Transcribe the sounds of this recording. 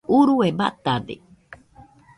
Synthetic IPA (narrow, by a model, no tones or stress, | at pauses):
uɾueba̰t̪ad̪ḛ